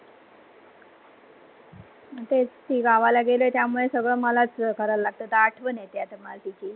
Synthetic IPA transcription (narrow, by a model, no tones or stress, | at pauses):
t̪ed͡zt̪iːɡaʋalaɡelet̪jamuɭesəɡɭəməlat͡skəɾəllaɡ̚t̪ət̪aaʈʰʋənjet̪jat̪əmalt̪it͡ɕʰiː